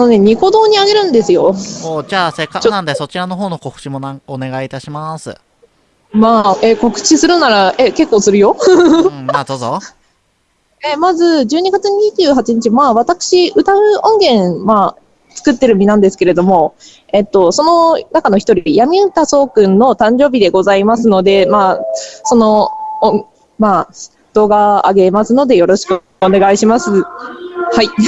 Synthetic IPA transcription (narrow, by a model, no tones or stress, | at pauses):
ano̞ne̞ɲ̟iko̞d̪o̞ːɲ̟iaɡe̞ɾɯ̟̃nd̪e̞sɨjo̞oːd͡ʑaːsekːakt͡ɕonãnd̪eso̞t͡ɕiɾano̞ɦo̞ːno̞ko̞kɯ̟̥t͡ɕimo̞nãŋone̞ɡait̪aɕimasɨ̰ | maːʔeko̞kɯ̟̥t͡ɕisɨɾɯ̟naɾaʔe̞ke̞kːo̞ːsɨɾɯ̟jo̞ | mad̪oːzo | emazɨd͡ʑɨːɲ̟iɡat͡sɨɲ̟iʑɨːɦat͡ɕiɲ̟it͡ɕimaːβat̪akɯ̟̥ɕiʔɯ̟t̪aɯ̟õ̞ŋɡẽ̞nma | t͡sɨ̥kɯ̟t̪ːe̞ɾɯ̟mʲinãnd̪esɨ̥ke̞ɾe̞d̪o̞mo̞ | et̪ːo̞so̞no̞nakano̞çi̥t̪o̞ɾʲijamʲiɯt̪aso̞ːkɯ̟̃nːo̞t̪ãɲ̟d͡ʑo̞ːbʲid̪e̞ɡo̞zaimasɨno̞d̪e̞maːso̞no̞õ | ma | d̪̥o̞ːɡaa̰ɡe̞masɨno̞d̪e̞jo̞ɾo̞ɕi̥kɯ | one̞ɡaiɕimasɨ | hai